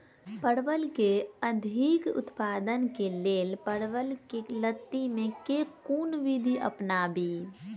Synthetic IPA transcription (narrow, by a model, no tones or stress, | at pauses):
pəɽʋəlkeəd̪ʱikʊ̰t̪paːd̪ənkeleːlpəɽʋəlkelət̪ːimẽkekuːnʋid̪ʱiʔə̰pnabiː